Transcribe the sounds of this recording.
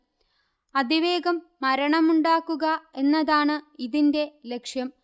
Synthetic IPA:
ɐd̪iʋe̞ːɡɐmːɐɾɐɳɐmuɳɖaːkːuɣɐe̞nːɐðaːɳɨiðinde̞le̞kʂjɐm

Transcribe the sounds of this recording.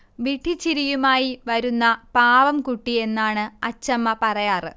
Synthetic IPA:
ʋiʈʰːit͡ɕːiɾijumaːjiʋɐɾunːɐpaːʋɐmkuʈːie̞nːaːɳɨɐt͡ɕːɐmːɐpɐrɐjaːrɨ

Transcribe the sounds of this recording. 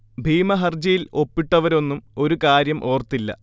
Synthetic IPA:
bʱiːmɐɦɐrd͡ʑɐjilo̞pːiʈːɐʋɐɾo̞nːumo̞ɾukaːɾjɐmʔo̞ːrt̪ːilːɐ̰

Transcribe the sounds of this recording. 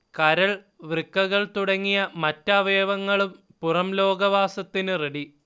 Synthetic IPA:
kɐɾɐɭ | ʋrɨkːɐɣɐɭt̪uɽɐŋːijɐmɐtːɐʋeːʋɐŋːɐɭum | purɐmlo̞ːɡɐʋaːsɐt̪ːinɨreɽi

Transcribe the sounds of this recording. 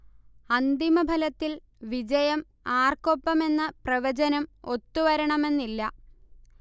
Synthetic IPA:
ɐnd̪imɐbʱɐlɐt̪ːil | ʋid͡ʑɐjɐm | aːrkopːɐme̞nːɨprɐʋɐd͡ʑɐnɐmo̞t̪ːuʋɐɾɐɳɐme̞nːilːɐ

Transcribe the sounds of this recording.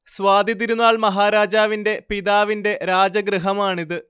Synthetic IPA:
sʋaːd̪iðiɾunːaːɭmɐɦaːɾaːd͡ʑaːʋinde̞piðaːʋinde̞ɾaːd͡ʑɐɡɾɨɦɐmaːɳiðɨ

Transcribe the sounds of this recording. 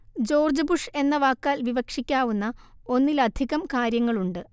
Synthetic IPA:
d͡ʑo̞ːrd͡ʑɐbuʂe̞nːɐʋaːkːaːlʋiʋɐkʂikʲːaːʋunːɐo̞nːilɐd̪ʱiɣɐmkaːɾjɐŋːɐɭuɳɖɨ

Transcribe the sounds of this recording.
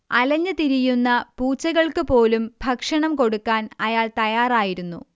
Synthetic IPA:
ɐlɐɲːɨt̪iɾijunːɐpuːt͡ɕːɐɣɐɭkɨpo̞ːlumbʱɐkʂɐɳɐmko̞ɽukːaːnɐjaːɭt̪ɐjaːraːjiɾunːṵ

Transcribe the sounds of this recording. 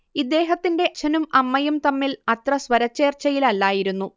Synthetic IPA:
id̪ːe̞ːɦɐt̪ːinde̞ɕʰɐnumɐmːɐjumt̪ɐmːilɐt̪rɐsʋɐɾɐt͡ɕːe̞ːrt͡ɕːɐjilɐlːaːjiɾunːu

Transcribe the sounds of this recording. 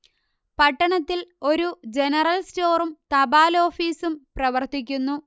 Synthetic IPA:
pɐʈːɐɳɐt̪ːilo̞ɾud͡ʑenɐrɐlsto̞ːrumt̪ɐbaːlo̞ːfiːsumprɐʋɐrt̪ikʲːunːu

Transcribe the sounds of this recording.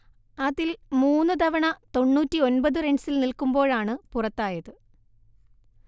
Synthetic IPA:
ɐðilmuːnːɨt̪ɐʋɐɳɐt̪o̞ɳːuːtːio̞nbɐðɨreɳɖsilnilkumbo̞ːɻaːɳɨpurɐt̪ːaːjɐðɨ

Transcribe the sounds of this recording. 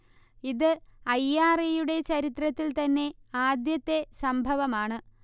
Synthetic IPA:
iðɨɐjːaːrɐjuɽe̞t͡ɕɐɾit̪rɐt̪ːilt̪ɐnːe̞aːd̪jɐt̪ːe̞sɐmbʱɐʋɐmaːɳɨ

